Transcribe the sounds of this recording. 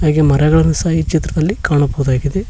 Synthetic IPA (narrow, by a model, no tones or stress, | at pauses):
ɦaːɡemɐɾɐɡɐɭɐnɐsaːjit͡ʃit̪ɾɐd̪ɐlːikaːɳɐbɐɦud̪aːɡid̪e